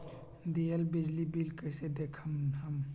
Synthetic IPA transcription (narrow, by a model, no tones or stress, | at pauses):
d̪ielbid͡ʒlibilkəsed̪ekʰəmɦəm